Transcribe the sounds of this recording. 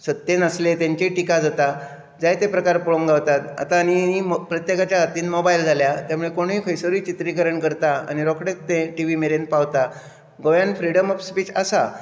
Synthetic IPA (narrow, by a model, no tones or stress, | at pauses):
sət̪ːenəslet̪jãɲt͡ɕeʈikad͡zat̪a | d͡zajt̪epɾəkaɾpɔɭoŋɡawt̪at̪a̰t̪aːniipɾət̪jekat͡ɕjaɦat̪iːnmobaild͡zʱaljat̪jamuɭekoɽ̃ɦiːfəjsəɾiːt͡ɕit̪ɾikəɾəɳkəɾt̪aa̰ñiɾɔkɽekt̪ẽʈiʋimeɾenpaʋt̪a | ɡoʋjanfɾiɽəmɔfspit͡ɕasa